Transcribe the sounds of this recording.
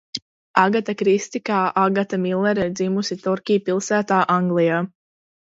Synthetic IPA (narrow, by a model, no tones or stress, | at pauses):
aɡat̪akɾist̪ikaːʔaɡat̪amilˠɛɾɛɾd̪zimusit̪ɔɾkʲijpilˠsæːt̪aːʔaŋɡlˠijaː